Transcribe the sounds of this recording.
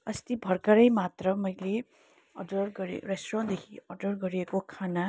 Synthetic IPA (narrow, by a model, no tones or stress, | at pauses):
ʌst̪ibʱʌrkʌɾʌjmat̪rʌmʌjle | ʌ̰ɖʌrɡʌɾḛresʈrõd̪ekʰiʌɖʌrɡʌɾiekokʰana